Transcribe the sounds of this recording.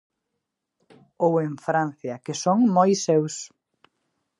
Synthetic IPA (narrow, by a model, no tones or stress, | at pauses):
oweɱfɾãnθjɐkɪsoŋmojsews